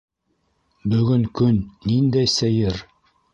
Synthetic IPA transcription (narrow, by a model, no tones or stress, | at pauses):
bɵ̆ɡɵŋkɵnːind̪æjsɘjɘɾ